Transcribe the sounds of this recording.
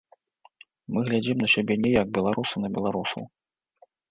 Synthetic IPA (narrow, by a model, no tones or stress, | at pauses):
mɨɣlʲad͡zʲimnɐsʲabʲɛnʲɛjaɡ̚bʲɛlˠaɾʔusunɐbʲɛlˠaɾusɐ̰w